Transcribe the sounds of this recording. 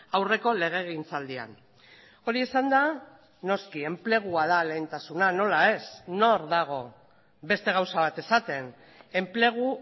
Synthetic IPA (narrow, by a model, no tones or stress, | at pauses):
awre̞ko̞le̞ɣ̞e̞ɣint͡sald̪ia̰n | o̞ɾie̞sand̪a | no̞skie̞mple̞ɣ̞uað̞ale̞jnt̪asunano̞lae̞sno̞ɾðaɣ̞o̞ | be̞st̪e̞ɣ̞awsaβat̪e̞sat̪e̞n | e̞mple̞ɣ̞u